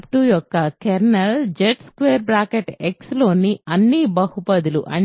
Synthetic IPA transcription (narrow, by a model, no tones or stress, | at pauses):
pʈujɔkːɐkeɾnɐld͡ʒeʈskʋeːɾbɾaːkeʈekslo̞ːniɐnːibɐhupɐd̪ulṵʔɐ̰